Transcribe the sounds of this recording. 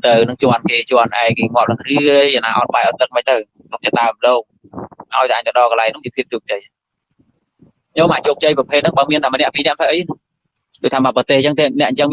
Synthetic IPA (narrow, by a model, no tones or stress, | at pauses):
t̪ɨwnɨŋt͡ɕoənkeːt͡ɕənʔa̰ɛŋ̚keːŋoəp̚lariəəjanaːʔɑ̰t̪̚ɓajʔɑt̪̚t̪ɨk̚məc̚t̪əw | sok̚t̪ɛːɗ̪aəmloːk̚ | ʔa̰ɔjt̪aʔaːɲ̚t̪əɗɑːkəlaɛjŋnʊŋt͡ɕiəpʰiəp̚t͡ɕoːp̚t͡ɕəj | ɲoːmʔaːt͡ɕoːp̚t͡ɕəjprɑpʰeːt̪̚nɨŋɓaːŋmiənt̪ʰaːmənɛ̆əʔpiːnɛ̆əʔmsaʔəjn | ɗoːct̪ʰaːɓaːpɑt̪eːht͡ɕəŋt̪eːnɛ̆əʔɲt͡ɕəŋ